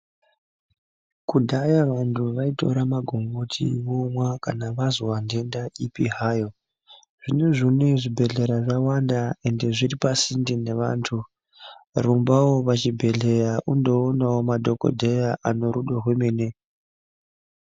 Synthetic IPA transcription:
kudʱajaʋantʰuʋaito̞̰ɾamaɡʱo̞ŋɡotʰḭwomwakanaʋazowande̞ndaʔipiɦaːjo̞ | ʐ̥ineʐineʐibʱe̞ɮe̞ɾaʐawandae̞nde̞ʐiripasindine̞ʋa̰ːntʰu | rumbawopat͡ʃibʱe̞ɮe̞jaʔundo̞ːnawomadʱo̞ko̞̰dʱe̞jaʔano̞ɾuɗoɦwemeːne̞

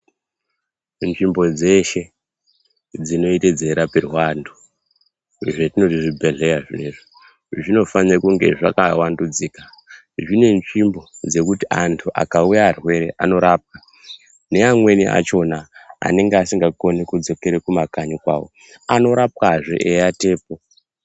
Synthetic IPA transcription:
nʐimbo̞d͡ze̞ʃe | d͡zino̞ite̞d͡ze̞ɾaperwandu | ʐetino̞tiʐibʱe̞ɮe̞jaʐeʐo | ʐino̞fanekuŋɡe̞̰ʐakawandud͡zika | ʐine̞nʐimbo̞d͡ze̞kutiʔantʰuʔa̰kaujaːrwe̞ɾe̞ʔano̞ɾaːp̚ka | ne̞amwe̞niʔa̰t͡ʃo̞naa̰ne̞ŋɡeasiŋɡako̞nekud͡zo̞ke̞ɾekumakaɲokwa̰ːwo̞̰ | ano̞ɾap̚kaʐo̰ʔejate̞ːpo

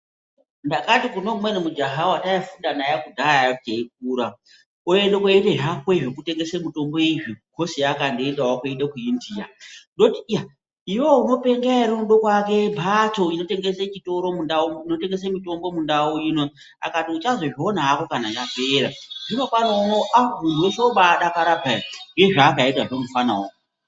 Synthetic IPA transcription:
ndakatikuno̞mumwenumud͡ʒaɦawataifundanajakudʱaajakuteik̚uːɾa | oendokwoereɦakweʐekute̞ŋɡesemito̞mbo̞iʐiɡ̥ʱo̞sijakandiendawakuendekuindiːa̰ndo̞tija | iwo̞uno̞pe̞ŋɡaiɾemuɗokwake̞bʱato̞inote̞ŋɡeset͡ʃito̞ɾo̞mundaoino̞te̞ŋɡe̞semito̞mbo̞mundaujino | a̰katiut͡ʃazo̞ʐionaːko̞kanat͡ʃafeɾaʐinofanaunoʔamundʱuweʃeoɓaɗakaɾabʱaiŋɡeʐaːkaitaʐomufanaoo

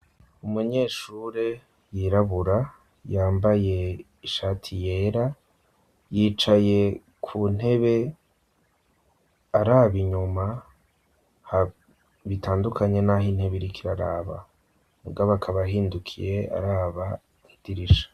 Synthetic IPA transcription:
umuɲe̞ːʃuːɾe | jiɾaβuɾa | jaːmbaje̞ | iʃaːtʰije̞ːɾa | jiːt͡ʃaje̞ | kʰun̥he̞βe̞ | aɾaːβiɲuma | ha | βitʰaːndukʰaɲe̞naɦinhe̞βiɾikʰiɾaɾa̰ːβa̰ | muɡaβakʰaβaɦiːndukʰije̞a̰ɾaːβa | id̥iɾiʃḁ

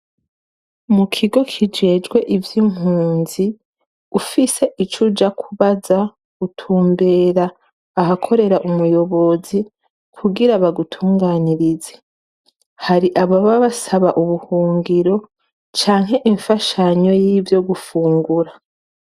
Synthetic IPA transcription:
mukʰiɡo̞kʰid͡ʒe̞ːd͡ʒɡwe̞ʔivjim̥huːnzi | ufise̞ʔit͡ʃud͡ʒakʰuβaza | ɡutʰuːmbe̞ːɾaː | ɦakʰo̞ɾe̞ɾaʔumujo̞βo̞zi | kʰuɡiɾaβaɡutʰuːŋɡaːniɾize̥ | haɾiʔaβoβaβasaβaʔuβuhuːŋɡiɾo̞ | t͡ʃaːŋɦe̞ʔiɱfaʃaɲo̞jiːvjo̞ɡufuːŋɡuɾa

